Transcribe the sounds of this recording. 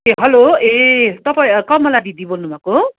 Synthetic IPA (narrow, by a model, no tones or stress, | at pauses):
eɦʌloet̪ʌpaĩkʌmʌlad̪id̪ibonubʱako